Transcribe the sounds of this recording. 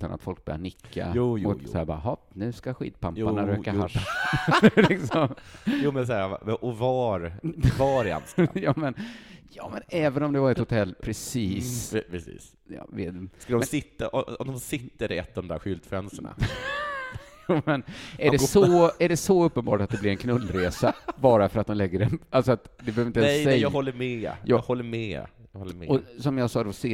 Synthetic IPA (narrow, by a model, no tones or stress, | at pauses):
t̪a̰na̰t̪fɔlk̚bœɾja̰ɳɪkːa̰juːmʊt̪sæːɾbɑ̰ːɦɑ | nʉ̟ːskaɧḭːd̪̚pʰamanaɾøːkaɦaʂa | lɪksɔmjuːmɛnsæːɾʔɔvɑɾvɑɾɛa̰nsjɑːmɛnjɑːmɛnɛːvənɔmd̪ɛvaɾɛt̪hʊt̪ʰɛlːpʰɾɛsiːspʰɾɛsḭːs | jɑ̰ːv̰skkad̪ɔmsɪt̪ːaʔɔɔmd̪ɔmsɪt̪ːəɾɛ̰t̪ːɔvvd̪ɔmd̪æ̰ɾɧʏlt̪fɾɛnsəɳa̰ | umɛnæɖɛsɔæɖɛsɔɵpːənbɑ̰ːʈat̪̚d̪ɛblɪɾɛnkʰnɵlːɾeːsabɑːɾafœɾat̪̚d̪ɔmlɛɡːəɾɛnalsɔat̪d̪ɛbəhøːvɾɪnt̪ɛsɛjɑːhɔlːəmɛjɑhɔlːəɾmɛ̰jhɔːɔsɔmjɑːɡsɑːd̪ɔseː